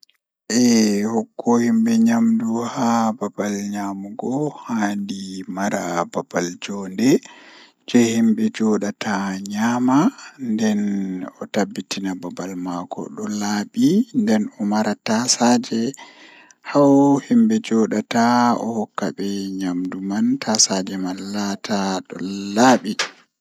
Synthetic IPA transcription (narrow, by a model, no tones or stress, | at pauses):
ʔɛhɔkːɔhimbɛɲamduhababalɲamuɡɔhandimaɾababald͡ʒɔndɛ | d͡ʒɛhimbɛd͡ʒɔɗatʰaɲaːmandɛnɔtabːitinababalmakɔ̰ɗɔlaːɓindɛnɔmaɾatasad͡ʒɛ | hawhimbɛd͡ʒɔɗataɔ̰hɔkːaɓɛɲamdumantasad͡ʒɛmanːatʰaɗɔ̰laːɓi